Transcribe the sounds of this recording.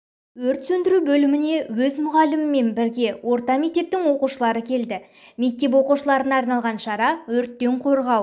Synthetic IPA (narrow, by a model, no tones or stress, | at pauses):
wɵɾt̪sɵnd̪ɪɾubɵlɪmɪne̞wɵzmʊʁɑlɪmɪmːe̞nbɪɾɡʲe̞wo̞ɾt̪ɑme̞k̚t̪e̞p̚t̪ɪŋwo̞quʃəlˠɑɾəkʲʰe̞ld̪ɪ | me̞k̚t̪e̞p̬wo̞quʃəlˠɑɾənɑːɾnɑlˠʁɑnʃɑɾɑwɵɾt̪ːe̞ɴqʰo̞ɾʁɑw